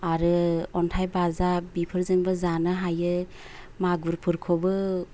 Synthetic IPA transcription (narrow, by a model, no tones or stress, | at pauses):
aɾɯɔntʰajbazabipʰɯɾzɯŋbɯzanɯɦajɯ | maɡuɾpʰɯɾkʰɔbɯ